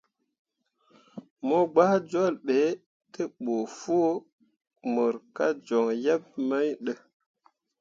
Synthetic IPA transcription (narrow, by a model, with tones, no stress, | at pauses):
mo˦ɡ͡ba˦hd͡ʒo˦˨lɓe˨˦ | tə˦ɓo˨fo˦ | mə˨ɾka˦d͡ʒo˨ŋja˦p̚ma˦jɗə˦